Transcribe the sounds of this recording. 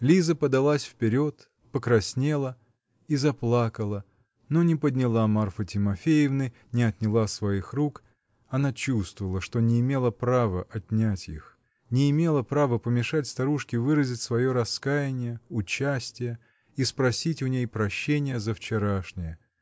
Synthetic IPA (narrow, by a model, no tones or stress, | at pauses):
lʲizəpəd̪ɐlˠasʲfpʲɪɾʲo̞t̪ | pəkɾɐsʲnʲe̞lˠə | izɐplˠakəlˠə | no̞nʲɪpəd̪ʲnʲɪlˠamarfətʲɪmɐfʲejɪvnɨ | nʲɪɐt̪ʲnʲɪlˠasvɐixruk | ɐnat͡ɕust̪vəvəlˠəʂt̪o̞nʲɪːmʲe̞lˠəpɾavəʔɐtʲnʲætʲḭx | nʲɪːmʲe̞lˠəpɾavəpəmʲɪʂatʲst̪ɐɾuʂkʲɪvɨɾəzʲɪtʲsvɐjo̞ɾɐskajɪnʲɪjəʊt͡ɕːæsʲtʲɪjə | ispɾɐsʲitʲʊnʲejpɾɐɕːenʲɪjəzəft͡ɕɪɾaʂnʲɪjə